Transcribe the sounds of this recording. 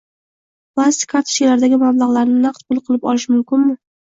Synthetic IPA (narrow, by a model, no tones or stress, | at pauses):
plˠast̪ɪ̥kʰaɾt̪ʰɪ̥ʃilaɾd̪aɡʲɪmablˠaʁlˠaɾnɪnaq̚t̪bʊlˠqʰɨlˠɪpɒ̰lˠɪʃmʊmkʲɪnmɪ